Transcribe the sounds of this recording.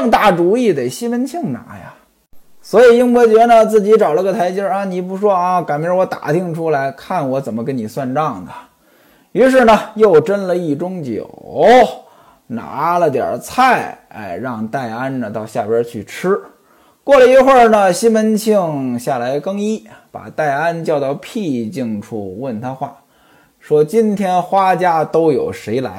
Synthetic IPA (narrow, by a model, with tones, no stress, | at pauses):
ŋt̪a˥˩ʈ͡ʂu˧˥i˥˩t̪e˨˩ɪɕi˥mə˧˥nt͡ɕʰi˥˩ŋna̰˧˥ja̰˧˩ | swɔ˧˥i˨˩i˥ŋmwɔ˧˥t͡ɕɥɛ˧˥nə˧t͡sɹ̩˥˩t͡ɕi˧˥ʈ͡ʂɑ˨˩ʊlə˧˥ɡə˧t̪ʰa˧˥ɪt͡ɕji˥a˧˩ni˨˩pu˧˥ʂwɔ˥a˧ka˨˩npjwɔ˧˥t̪a̰˨˩t̪ʰi˥˩ŋʈ͡ʂʰu˥la˧˥ɪkʰa˥˩nwɔ˧˥t͡sə˨˩mə˦kə˥nni˨˩swa˥˧nʈ͡ʂɑ˥˩ŋd̪ə˩ | y˧˥ʂ̬ɻ̩˥˩nə˨jo˥˩ʊʈ͡ʂə˥nlə˨i˥˩ʈ͡ʂʊ˥ŋt͡ɕjo̰˨˩ | na̰˧˥lə˨t̪jə̰˞˨˩t͡sʰa˥˩ɪ | a̰˥˧˩ɪɻɑ˥˧ŋt̪a˥˩ɪa˥nnə˨t̪ɑ˥˧ʊɕja˥˩pjə˥t͡ɕʰy˥˩ʈ͡ʂʰɻ̩˥ | kwɔ˥˩lə˩i˧˥xwə˥˩nə˨ɕi˥nmə˧˥nt͡ɕʰi˥˧˩ŋɕja˥˩la˧˥ɪkɤ˥ŋi˥pa̰˨˩t̪a˥˩ɪa˥nt͡ɕjɑ˥˧ʊt̪ɑ˥˧ʊpʰi˥˧t͡ɕi˥˩ŋʈ͡ʂʰṵ˥˩wə˥˩nt̪ʰa˥xwa˥˩ | ʂwɔ˥t͡ɕi˥nt̪ʰjɛ˥nxwa˥t͡ɕja˥t̪o˥ʊjo˨˩ʊʂe˧˥ɪla˧˥ɪ